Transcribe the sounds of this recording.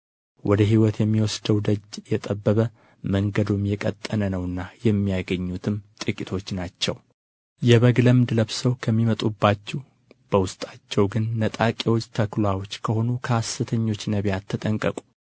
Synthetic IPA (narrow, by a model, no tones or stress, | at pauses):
wʔɔd̪əɦiwɔt̪jɛmːiwɔsd̪əwd̪əd͡ʒjɛt̪ʼəbːəβə | məŋɡəd̪omjɛkʼət̪ʼːənənəwɨnːajɛmːijaɡəɲːut̪ʰɨmt̪ʼɨkʼit̪ʰo̞t͡ʃːnat͡ʃːɛw | jɛβəɡləmd̪ɨləβsəwkʰəmːimət̪ʼubːat͡ʃːɛ | b̥əwʊst̪ʼat͡ʃːɛwɡɨnːət̪ʼakʼewot͡ʃːt̪ʰəklawo̞t͡ʃːkʰəho̞nukʰəasːɨt̪ʰəɲːo̞t͡ʃːnəβjat̪ʰːət̪ʼəŋkʼəkʼu̥